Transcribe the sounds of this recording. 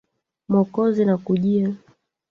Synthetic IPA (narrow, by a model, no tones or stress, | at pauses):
mɔkɔzinakuʄia